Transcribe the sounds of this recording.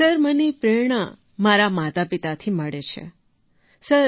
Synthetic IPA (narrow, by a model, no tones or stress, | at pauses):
səɾmənipɾeɳ̃a | maɾamat̪apit̪at̪ʰiməɭet͡ʃʰḛ | səɾ